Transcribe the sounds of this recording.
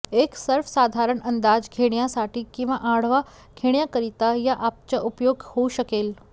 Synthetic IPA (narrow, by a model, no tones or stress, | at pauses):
eksəɾfsaːd̪ʱaɾəɳənd̪aːd͡ʒɡʱeɽ̃jãsaʈʰikĩʋãʔãɽ̤ʋa | kʰeɳjakəɾit̪ajaʔap̚t͡ʃaʔupjoːɡhoʃəkeːl